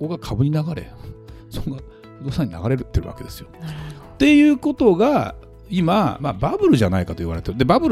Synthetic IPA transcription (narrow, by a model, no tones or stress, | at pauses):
ko̞ɡakʰabɯ̟ɲ̟inaɡaɾe̞̰ | soɡa | hod̪osaɲ̟ina̰ɡaɾe̞ɾɯ̟t̪ːeɾɯ̟βa̰ke̞d̪e̞sɨ̥jo | t̪e̞jɯ̟ːko̞t̪o̞ɡa | imama̰babɯ̟ɾɯ̟ʑanaikat̪o̞iβaɾe̞t̪eɾɯ̟d̪ebabɯɾ